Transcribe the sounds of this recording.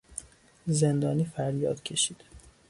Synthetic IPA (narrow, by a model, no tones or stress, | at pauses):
ze̞nd̪ɒːniːfæɾjɒ̰ːd̪̥cʰe̞ʃiːd̪̥